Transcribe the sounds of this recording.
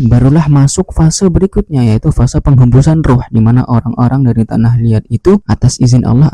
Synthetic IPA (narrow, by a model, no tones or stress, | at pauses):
baɾulahmasʊk̚fasabəɾikʊt̪̚ɲajait̪ufasapəŋɦəmbusanrʊhdimana̰ʔoɾaŋʔoɾaŋdaɾit̪a̰nahliat̪̚it̪uʔat̪asizɪnʔa̰lɔh